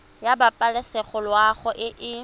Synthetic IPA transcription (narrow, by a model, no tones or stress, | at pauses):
jabapʼalɪsɛχɔlwaχʊʔɪʔɪ